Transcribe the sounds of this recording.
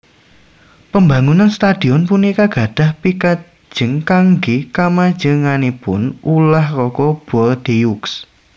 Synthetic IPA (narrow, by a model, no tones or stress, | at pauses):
pəmbaŋunanst̪ad̪̥i̤ɔnpunikaɡ̥a̤d̥a̤hpikḁ | d͡ʒ̥ə̤ŋkaŋɡikamad̥d͡ʒ̥əŋanepʊnulahrɔkɔb̥ɔld̪̥ejuks